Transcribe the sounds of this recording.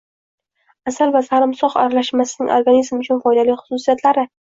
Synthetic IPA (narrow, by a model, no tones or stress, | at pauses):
asalvasaɾɪmsɒχa̰ɾalaʃmasɪnɪŋʔoɾɡanizmʊt͡ʃʰʊnfɒjd̪alɪjχʊ̥sʊsijat̪laɾɪ